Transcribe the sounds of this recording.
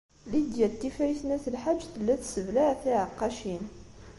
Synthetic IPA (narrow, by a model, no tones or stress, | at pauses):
lid̪jælt̪ːifæiθnæθəlħad͡ʒːθəlːæθsəvlæʕθiʕəqːɑʃin